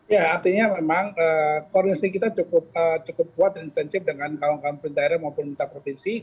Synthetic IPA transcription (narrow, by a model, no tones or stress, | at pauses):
jaːrt̪iɲamemaŋəːkɔrdinasikit̪at͡ʃukʊp̚əːt͡ʃukʊp̚kuat̪̚daŋinst̪ɛnsɪp̚dəŋankaaŋkampʊndaeɾamaupʊnmint̪apɾofinsi